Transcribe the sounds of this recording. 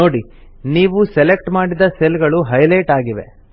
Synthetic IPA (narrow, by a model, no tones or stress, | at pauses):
o̞ːɽi | niːʋusɛlek̚ʈmaːɽid̪ɐselɡɐɭuɦɐjlɐjʈaːɡiʋe̞̰